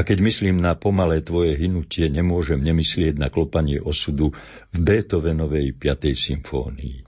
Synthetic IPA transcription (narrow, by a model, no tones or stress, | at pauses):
akɛɟmisliːmnapɔmalɛːt̪ʋɔjɛɦinucɪɛɲɛmʊɔʒɛmɲɛmislɪɛɟnaklɔpaɲɪɛ̰ʔɔsud̪u | vbɛːt̪ɔʋɛnɔʋɛjpɪat̪ɛjsiɱfɔ̰ːnḭi